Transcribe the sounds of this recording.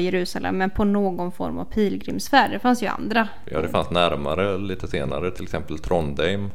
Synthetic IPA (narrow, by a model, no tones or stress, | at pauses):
jɛɾʉ̟ːsalʔɛ̰mːɛnpʰɔnoːɡɔnfɔ̰ɾma̰v̥pʰiːlɡɾɪmsfæːɖɛfansjɵa̰nd̪ɾa | jɑ̰ːd̪ɛfa̰nsnæɾma̰ɾəliːt̪ʰəseːna̰ɾət̪ʰɪlɛksɛmpəlt̪ʰɾɔnd̪ɛjm